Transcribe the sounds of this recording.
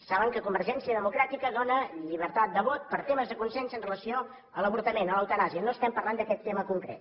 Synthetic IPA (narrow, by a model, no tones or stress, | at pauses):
saβəŋkəkumbəɾʒɛnsiəðəmukɾat̪ikəðonəʎiβ̞əɾt̪at̪̚d̪əβot̪̚pəɾt̪eməzðəkunsɛnsənrələsio | ələβuɾt̪əmenələwt̪ənaziənoəst̪ɛmpərlˠand̪əkɛt̪ːeməkuŋkɾḛt̪